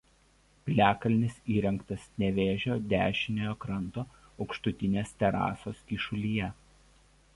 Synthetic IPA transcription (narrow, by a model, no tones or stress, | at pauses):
pʲlʲæːkɐlʲnʲɪsiːɾʲɛŋkt̪ɐsnʲɛʋʲeːʒʲoːd̪ʲæːʃʲɪnʲoːjoːkɾɐnt̪oː | ɒʊkʃt̪ʊt̪ʲɪnʲeːst̪ʲɛɾɑ̰ːsoːskʲiːʃʊlʲiːjɛ